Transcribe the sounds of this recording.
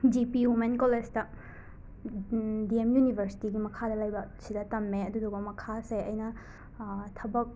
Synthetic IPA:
d͡ʒipiɦumenkoled͡ʒtɐ | diemjunibʱɐɾsi̥tiɡimɐkʰadɐlɐjbɐsidɐtɐmːeɐdudoɡɐmɐkʰaseɐjnɐ | tʰɐbɐk̚

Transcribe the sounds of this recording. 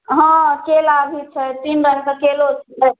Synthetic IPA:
ɦə̃kelabʱit͡ʃʰət̪inbəɾkəkelot͡ʃʰ

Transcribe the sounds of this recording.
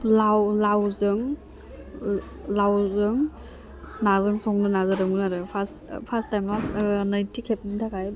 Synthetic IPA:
lawlawzɯŋ | lawzɯŋ | nazɯŋsɔŋdɯnazaɾɯŋunaɾɯpʰas | pʰastːajmlasnajntʰikʰep̚nitʰakʰaj

